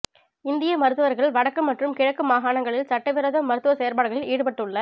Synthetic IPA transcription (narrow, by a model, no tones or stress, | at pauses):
ɪnd̪ɪjɐmɐɾɯt̪ːɯʋɐɾɣɐɭʋɐɽɐkːɯmːɐʈrɯmkɪɻɐkːɯmaːɣaːɳɐŋɡɐɭɪlsɐʈːɐɪʋɪɾɐðɐmːɐɾɯt̪ːɯʋɐsɛjɐɾpaːɽɯɣɐɭɪliːɽɯpɐʈːɯɭːɐ